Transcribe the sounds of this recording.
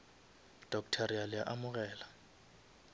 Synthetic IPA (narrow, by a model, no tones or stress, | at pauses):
d̥ʱɔkʼtʰaɾijalɪjaʔamʊɣ̬ʼɛːla